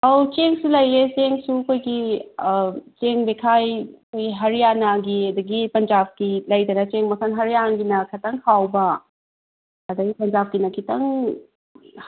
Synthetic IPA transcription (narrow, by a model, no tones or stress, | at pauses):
ɐwt͡ʃeŋsulɐjet͡ʃeŋsukʰojɡi | t͡ʃeŋbekʰajɐkʰojɡiɦɐɾijanaɡiɐdɐɡipɐnd͡ʒab̚kilɐjdɐnɐt͡ʃeŋmɐkʰɐnɦɐɾijaŋɡinɐkʰɐtɐŋkʰawbɐ | ɐdɐɡipɐnd͡ʒap̚kinɐkʰitɐŋ